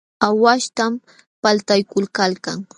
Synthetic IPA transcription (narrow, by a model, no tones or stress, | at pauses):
awaʃt̪am | palt̪ajkʊlkalkaŋ